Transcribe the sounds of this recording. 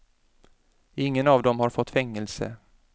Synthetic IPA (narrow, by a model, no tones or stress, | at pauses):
ɪŋːənɑvd̪ɔmhaɾfɔt̪ːfɛŋːəlsə̰